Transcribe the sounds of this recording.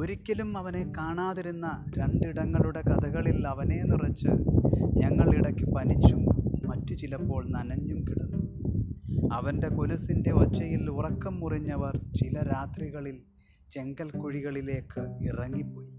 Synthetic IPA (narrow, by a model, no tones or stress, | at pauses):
oɾikʲːɐlumɐʋɐne̞kaːɳaːðiɾunːɐ | ɾe̞ɳɖiɽɐŋːɐɭuɽe̞kɐd̪ɐɣɐɭilɐʋɐne̞ːnirɐt͡ɕːɨɲɐŋːɐɭiɽɐkːɨpɐnit͡ɕːumːɐtːut͡ɕilɐpːo̞ːɭnɐnɐɲːumkiɽɐnːu | ɐʋɐnde̞kolusinde̞ot͡ɕːɐjilurɐkːɐmːuriɲːɐʋɐrt͡ɕilɐɾaːt̪riɣɐɭil | t͡ɕe̞ŋɡɐlkuɻiɣɐɭile̞ːkːɨirɐŋːipːo̞ːji